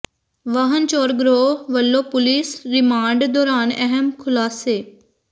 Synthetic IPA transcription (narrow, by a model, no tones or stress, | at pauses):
ʋəɦənt͡ʃoːɾɡɾoːʋəlːoːpʊlisɾɪmaːɳɖd̪ɔːɾaːnɛɦəmkʰʊlaːseː